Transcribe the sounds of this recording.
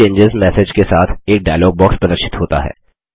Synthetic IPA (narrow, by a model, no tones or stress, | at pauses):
ẽːɲd͡ʒɪzmɛːsed͡ʒkesaːt̪ʰeːk̚ɖaːɪloːɡ̚bɔːkspɾɐd̪əɾʃɪ̥t̪ɦoːt̪a̰ɦɛ̰ː